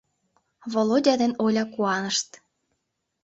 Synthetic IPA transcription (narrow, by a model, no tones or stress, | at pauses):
βolˠodʲɑd̪enolʲɑkuɑnəʃt̪